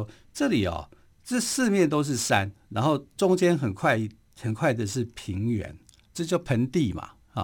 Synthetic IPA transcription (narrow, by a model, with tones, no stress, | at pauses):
ʈ͡ʂɤ˥˨li˨˩ɔ̰˨ | ʈ͡ʂɤ˥˧sɹ̩˥˧mjɛ˥˨nt̪o˥ʊʂ̬ɻ̩˥˨sa˦nna̰˧˥nxo˥˩ʊʈ͡ʂʊ˥ŋt͡ɕjɛ˥nxə˨˩nkʰwa˥˧ɪ | xə˨˩nkʰwa˥˩ɪd̪ə˨ʂɻ̩˥˩pʰi˧˥ŋɥɛ̰˧˦n | ʈ͡ʂɤ˥˧t͡ɕjo˥˩ʊpʰə˧˥nt̪i˥˨ma̰˩ | h